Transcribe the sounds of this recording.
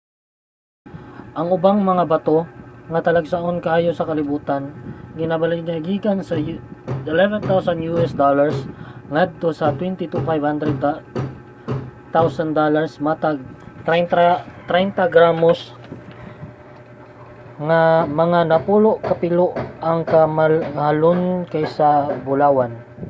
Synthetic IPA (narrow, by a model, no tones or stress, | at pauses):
ʔɐŋʊbaŋmɐŋabɐt̪o̞ŋɐt̪ɐlɐɡsɐʔonkɐaːjosɐkɐlɪbuːt̪anɡɪnabɐlnaɡiːɡɐnsɐʔɪlɛvɛnt̪awsɐnjuʔɛsd̪olaɹsŋad̪̚t̪o̞sɐt̪wɛnt̪ɪt̪ufajvhand̪ɾɛd̪ | t̪awsɐnd̪olaɹsmat̪aɡ̚t̪ɾɛnt̪at̪ɾɛjnt̪ɐɡɾamos | ŋɐmɐŋanɐpuːloʔkɐpɪloʔɐŋkamaŋhalonkajsɐbʊlaːwan